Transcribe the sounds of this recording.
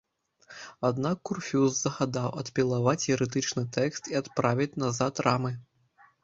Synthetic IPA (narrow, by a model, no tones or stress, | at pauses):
ad̪nakːurfʲuzzɐɣad̪awɐt̪pʲilˠavat͡sʲjɛɾɨt̪ɨt͡ʂnɨt̪ɛkst̪iat̪pɾavʲit͡sʲnazat̪rʔamɨ